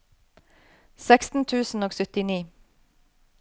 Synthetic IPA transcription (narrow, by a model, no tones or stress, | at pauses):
sɛkst̪n̩t̪ʰʉːsn̩oːɡsœt̪ɪniː